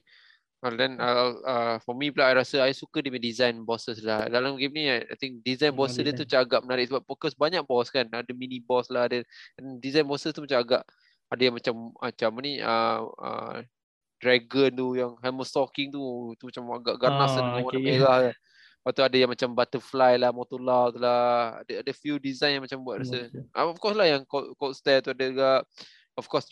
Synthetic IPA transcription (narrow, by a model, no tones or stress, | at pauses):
adɛnəəfɔmiplaajɾasəajsukədimadizajnbɔsəslahdalamɡimniaja̰jt̪iŋk̚dizajnbɔsədiət̪umat͡ʃamaɡaʔmənaɾɪʔsəbap̚fɔkɔsbaɲaʔ̚bɔskanadəminibɔslaɦadədandizajnbɔsəst̪umat͡ʃamaɡaʔ | adajaŋmat͡ʃamat͡ʃamniʔəə̰ | dɾɛɡənt̪ujaŋhaməst̪ɔkɪŋt̪ut̪umat͡ʃamaɡaʔɡaʔnasadəŋaŋonaeɾaha | wat̪uadajaŋmat͡ʃambat̪əflajlahmɔt̪olawt̪ulaa̰dəadəfudizajnjaŋmat͡ʃambuat̪̚ɾasəaɔfkɔslahjaŋkɔkɔt̪st̪ɛt̪uadaɡaʔ | ɔfkɔs